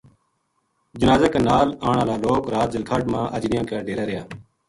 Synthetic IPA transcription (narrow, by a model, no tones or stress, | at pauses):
d͡ʒɪnaːzaːkaːnaːlaːɳãːlaːloːkɾaːt̪d͡ʒəlkʰaːɖmãːʔəd͡ʒnɪjãːkaːɖeːɾaːɾɪjaː